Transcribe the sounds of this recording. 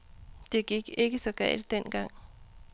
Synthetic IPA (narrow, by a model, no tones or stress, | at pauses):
d̥e̝ɡ̥iɡ̥e̝ɡ̥əsɒ̽ɡ̥ɛ̰ɪld̥̚den̰ɡ̥ɑ̈ŋ̰